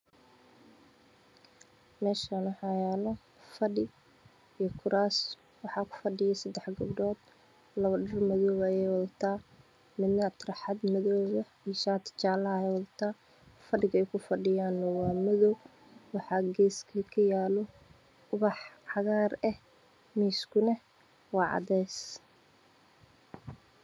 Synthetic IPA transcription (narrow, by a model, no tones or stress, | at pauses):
mɛːʃanwħɑjaːlɔ | fɐɖɪ | ijkʰʊɾʔaːs | wɑħɑːkʰʊ̥fɐɖɪjɛsɐd̪ɛħɡɐbɖɔːd̪ | lɐβɐɖɐrmɐðɔːβɐjɛjwɐðɐt̪ʰaː | mɪd̪nɐt̪ʰrɐħɑd̪mɐðɔːβɐ | iʃaːt̪ʰt͡ʃaːlɐjɛjwɑðɐt̪ʰaː | fɐɖɪɣɐɛjkʰʊfɐɖɪjaːnːɔwɑːmɐðɔw | wɑħɑːɡɛːskʰɐkʰɐjaːlɔ | ʊβɑħʕɑɣaːrɛh | miːskʰʊnɛ | wɑːʕɑ̰ðɛːs